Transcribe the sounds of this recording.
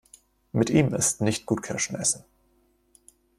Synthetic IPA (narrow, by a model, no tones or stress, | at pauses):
mɪtʔiːmɪstnɪçt̚ɡ̥uːt̚kʰɛɐʃn̩ʔɛsn̩